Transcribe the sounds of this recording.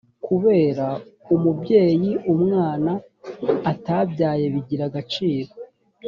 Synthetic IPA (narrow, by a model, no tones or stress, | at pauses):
kʰuβe̞ːɾaumubɟe̞ːjiumŋaːnaː | tabjaːje̞βiɟiɾaɡat͡ʃiːɾo